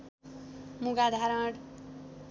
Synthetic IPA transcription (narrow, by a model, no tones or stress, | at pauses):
muɡad̪ʱaɾãɽ